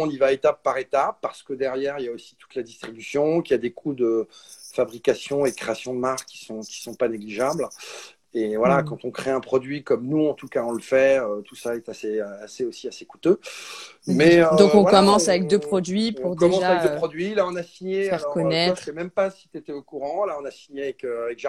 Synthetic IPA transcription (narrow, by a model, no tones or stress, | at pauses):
ɔ̃nivaet̪apːaʁet̪ap̚ːaʁsə̥kəd̪ɛʁjɛʁiljaosi̥t̪u̥t̪lad̪ist̪χibysjɔ̃kijad̪ekʰud̪əfabʁikasjɔ̃ed̪əkχeasjɔ̃d̪əmaʁkkʲːi̥sɔ̃kʲi̥sɔ̃paneɡliʒabl | evwalakɑ̃t̪ɔ̃kχeɛ̃pχɔd̪ɥikɔmnuɑ̃t̪ukaɔ̃ləfɛøt̪usaɛt̪aseaseosiaseku̥t̪ø | mɛød̪ɔ̃kɔ̃vkɔmɑ̃savɛk̚d̪øpχɔd̪ɥipũʁdkɔmɑ̃sʒaɛkd̪əpχɔd̪ɥilaɔ̃nasiɲeafɛʁlɔʁkɔnɛt̪sɛmɛmpasi̥t̪yet̪ɛokuʁɑ̃laɔ̃nasiɲeavɛkøavɛkʒ